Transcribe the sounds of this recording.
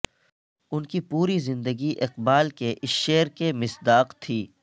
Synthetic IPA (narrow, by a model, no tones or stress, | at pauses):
ʊnkipuːɾizɪ̃nd̪əɡiʔɪqbaːlkeʔɪsʃeːɾkemɪsd̪aːqt̪ʰiː